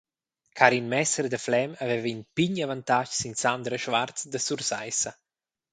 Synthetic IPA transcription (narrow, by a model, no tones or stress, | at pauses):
kʰaɾinmɛsəɾd̪əflɛmavɛvinpiɲavant̪aʃsinsand̪ɾəʃvart͡sd̪əsuɾsajsa